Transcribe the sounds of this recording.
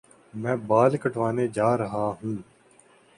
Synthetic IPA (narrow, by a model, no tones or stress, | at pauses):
mɛ̃ːbaːlkəʈʰʋaːneːd͡ʒaːɾəɦaːɦũː